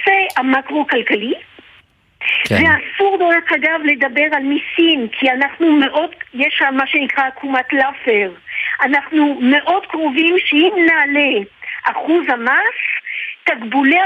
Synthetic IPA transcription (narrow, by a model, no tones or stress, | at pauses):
seamakʁokalkali | veasuʁd̪olχaɡavle̞d̪abe̞ʁalmisimkʰianaχnume̞ʔo̞djeʃamːaʃenikʁakʰumat̪lafeʁʔanaχnume̞ʔo̞d̪kʁovimʃeimnaːleʔaχuzhamast̪aɡbule